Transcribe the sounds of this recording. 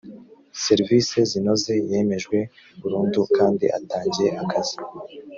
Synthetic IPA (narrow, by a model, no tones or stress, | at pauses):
se̞ɾviːse̞zino̞ze̞je̞ːme̞ʒɡwe̞ | uɾuːndukaːndḭʔa̰taːɲɟieʔakʰazi̥